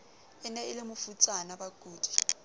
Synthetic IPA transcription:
ɪnɛɪlɪmʊfut͡sʼanabaɡ̥ʱuːd̥ʱi̥

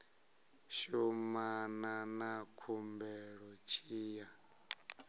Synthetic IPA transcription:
ʃumananakʰumbɛɺɔt͡ʃʰiːja

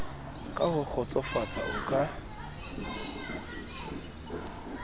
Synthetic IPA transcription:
kʼahʊk͡xʰɔt͡sʼɔfat͡sʼa̰ʔʊkʼa

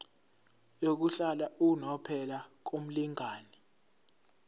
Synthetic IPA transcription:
jok̬uɬalaʔunɔpʰɛlak̬um̩liŋaːni

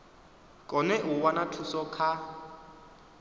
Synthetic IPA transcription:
kʼɔnɛʔʊwanatʰusɔkʰa

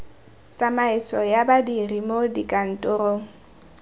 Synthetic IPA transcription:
t͡sʼamaɪsɔjabadirimodikʼan̩tʼʊroːŋ̩

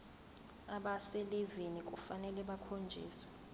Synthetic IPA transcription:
aɓasɛlivinik̬ʼufanɛlɛɓakʰond͡ʒʱḭːsw̥ɛ

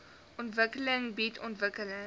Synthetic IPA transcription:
ɔntvəkələŋbitʰɔntvəkələ

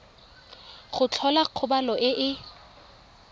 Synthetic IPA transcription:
χʊt͡ɬʰɔlaq͡χʰʊbalɔʔɪʔɪ

